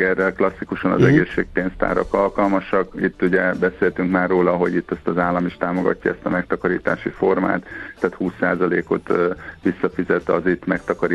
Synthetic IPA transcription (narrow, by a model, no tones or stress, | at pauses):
ɛrːɛlklɒsːikuʃɒnɒ̰zɛɡeːʃːeːk̚peːnst̪a̰ːɾɒkɒlkɒlmɒʃɒkit̪ːuɟɛbɛseːlt̪yŋkmaːrːoːlɒɦo̞̰ɟit̪ːɛst̪ɒzaːlːɒmiʃt̪aːmo̞ɡɒ̰cːɒ̰ɛst̪ɒmɛkt̪ɒkɒɾḭːt̪a̰ːʃifo̞rma̰ːt̪ːaːt̪huːsːaːzɒleːko̞t̪ʋisːɒfizɛt̪ɒ̰zit̪mɛk̚t̪ɒkɒɾi